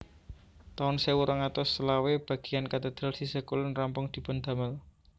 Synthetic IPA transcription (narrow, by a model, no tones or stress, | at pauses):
t̪aʊnsewuɾʔaŋat̪ɔsəlaweb̥a̤ɡ̥ijankat̪əd̪̥ɾalsisəkulʊnrampʊŋd̪̥i̤pənd̪a̤məl